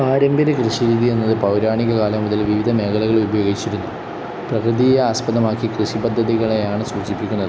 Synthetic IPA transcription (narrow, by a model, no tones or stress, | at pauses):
aːɾembeɾekrɨɕiɾiːðije̞nːɐðɨpɐwɾaːɳiɣɐkaːlɐmuðɐlʋiʋid̪ʱɐme̞ːɡɐlɐɣɐɭubɐjo̞ːɡit͡ɕːiɾunːu | prɐkrɨd̪ijeaːspɐðɐmaːkːikrɨɕibɐd̪ʱːɐðiɣɐɭejaːɳɨsuːt͡ɕipːikʲːunːɐðɨ